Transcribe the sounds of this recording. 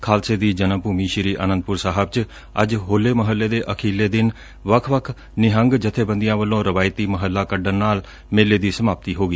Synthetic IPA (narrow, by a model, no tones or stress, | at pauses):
kʰaːlseːd̪iːd͡ʒənəmpuːmiːʃɪɾiːʔə̰ːnənd̪pʊɾsaːɦəb̚t͡ʃ | əd͡ʒɦoːlːeːməɦəlːeːd̪eːʔəkʰeːlːeːd̪ɪn | ʋəkʰʋəkʰ | nɪɦəŋɡd͡ʒət̪ʰeːbə̃nd̪ijãːʋəlːõːɾəʋaːɪt̪iːməɦəlːaːkəɖənnaːl | meːleːd̪iːsəmaːp̚t̪iːɦoːɡiː